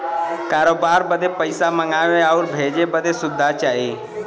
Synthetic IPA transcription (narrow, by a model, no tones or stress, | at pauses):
kaːɾoːbaːɾbəd̪epəɪsaməŋɡaːʋeaʊɾbʱeːd͡ʒebəd̪esʊd̪ʱːat͡ʃaːɦiː